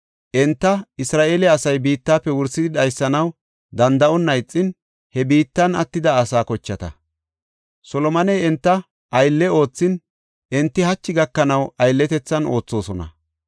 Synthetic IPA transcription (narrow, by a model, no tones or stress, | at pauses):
ʔɛnt̪ːɐɪsɾaːʔeːlɪːsɐjbiːt̪ːaːpːɛwʊɾsːɪd̪ɪd̪ɐjsːɐnɐw | d̪ɐnd̪ɐʔɔnːɐjt͡sʼːɪn | hɛbiːt̪ːɐnɐt̪ːɪd̪ɐːsaːkɔt͡ʃːɐt̪ɐ̰ | sɔlɔmɐnɛjɛnt̪ːɐ | ʔɐjlːɛo̞ːt͡sːɪn | ʔɪnt̪ːɪhɐt͡ʃːɪɡɐkːɐnɐwɐjlːɛt̪ɛt͡sːɐno̞ːt͡sːo̞ːsɔnɐ̰